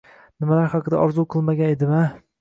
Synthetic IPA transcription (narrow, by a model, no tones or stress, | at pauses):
nɪmalaɾχɑqɨd̪a̰ʔɒɾzuqʰɨlˠmaɡʲaned̪ɪma